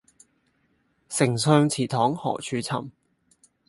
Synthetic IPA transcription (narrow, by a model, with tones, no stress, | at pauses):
sɪ˨˩ŋsœː˧ŋt͡sʰiː˨˩t̪ʰɔː˨˥ŋhɔ̰ː˨˩k̚t͡ʃʰyː˨˥t͡sʰɐ̰˨˩m